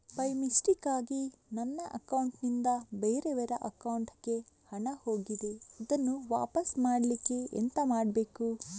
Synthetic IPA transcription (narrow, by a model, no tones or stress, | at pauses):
pɐjmisʈikaːɡinɐnːɐʔɐkɐwuɳʈnind̪ɐbeːɾeʋɛɾɐʔɐkɐwɳʈɡe̞hɐɳɐho̞ːɡid̪eid̪ɐnːuʋa̰ːpɐsmaːɽlikːeḛnt̪ɐmaːɽbeːku